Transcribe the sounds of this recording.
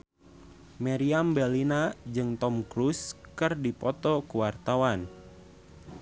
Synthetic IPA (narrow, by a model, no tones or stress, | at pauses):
mɛɾiambɛlinad͡ʒɨŋt̪ɔmkɾuskɨrdipɔt̪ɔkuwart̪awan